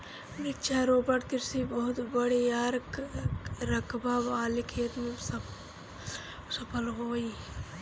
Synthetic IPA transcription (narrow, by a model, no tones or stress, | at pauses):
ɾɪkt͡ʃʰaɾoːbəʈk̪ɪɾsibəɦʊt̪bəɽiaːɾk | ɾɐkbaːbaːlikʰeːt̪mẽs | sɐpʰəlɦoːi